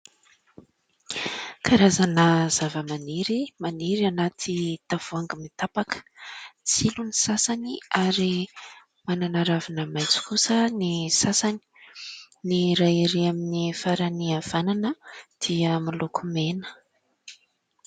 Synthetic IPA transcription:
kʰaɾazanəz̥avəmaniɾimaniɾianat̪ʰit̪av̥uaŋɡəmit̪apakə̥t͡silunisasaniaɾi | mananaɾavinəmajt͡si̥kusənisasani̥ | niɾajiɾeaminifaɾaniav̥ananəd̪̥iəmilukʰumenə̥

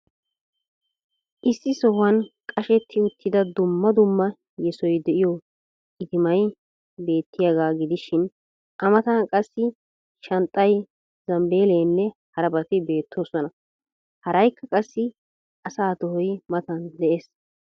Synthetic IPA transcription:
ʔɪsːɪsɔhwɐnkʼɐʃɛt̪ʰːɪʊt̪ːɪd̪ɐd̪ʊmːɐd̪ʊmːɐ | jɛsɔjd̪ɛʔɪjɔ | ɪd̪ɪmɐj | be̞ːt̪ːɪjɐɡaːɡɪd̪ɪʃɪn | ʔɐmɐt̪ɐnkʼɐsːɪ | ʃɐnt̪ʼːɐj | zɐmbe̞ːleːnːɛhɐɾɐbɐt̪ɪbe̞ːt̪ʰːoːsɔnɐ | hɐɾɐjkːɐkʼɐsːɪ | ʔɐsaːt̪ɔhɔjmɐt̪ɐnd̪ɛʔes

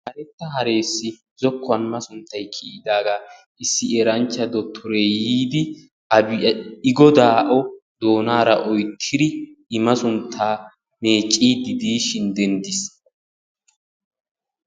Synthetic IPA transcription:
hɐɾɛt̪ːɐɦɐɾe̞ːsːɪ | zɔkʰːɔɐnmɐsʊnt̪ːɐjkʰiːɪd̪aːɡa | ʔɪsːɪeːɾɐnt͡ʃːɐd̪ɔt̪ʰːɔɾeːjiːd̪ɪ | ɐbɪɪɡɔd̪aːʔɔ | d̪o̞ːnaːɾɐʔɔjt̪ʰːɪd̪ɪɪmɐsʊnt̪ʰːaː | me̞ːt͡ʃʼːiːd̪ɪd̪iːʃɪnd̪ɛnd̪ɪs

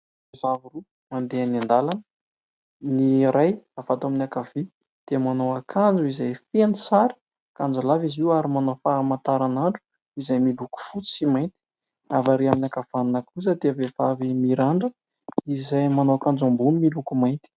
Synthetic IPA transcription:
zavuru | mand̪eanand̪alanə | niɾajavat̪aminiakavi | d̪̥emanowakʰand͡zuizajfenisaɾi̥ | kand͡zalaviziwaɾimanofamant̪aɾanaɳɖ͡ʐu̥ | izajmiluku̥fut͡si̥simajnt̪i̥ | avaɾeaminakav̥annakuzəd̪eavevavimiɾaɳɖ͡ʐə | izajmanowakand͡zambunimilukumajnt̪i̥

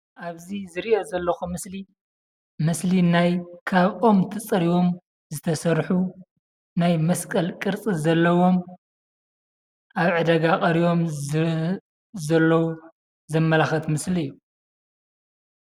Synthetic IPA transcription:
ʔaβzizɨɾiʔozɐlːɐxumɨsli | mɨslinajkʰaβʔomt̪ʰɨt͡sʼɐɾiwo̞m | zɨt̪ʰɐsɐɾħu | najmɐskʼɐlkʼɨɾt͡sʼizɐlːɐwo̞m | ʔaβʕɨd̪ɐɡakʼɐɾijo̞m | zɐlːɐwu | zɐmːɐlaxɐt̪mɨsliɨjːu

